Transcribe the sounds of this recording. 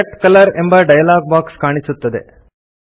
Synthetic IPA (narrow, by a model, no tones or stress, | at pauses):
ɐʈkɐlɐɾembɐɖɐjɐlaːɡ̚baːkskaːɳisut̪ːɐd̪ḛ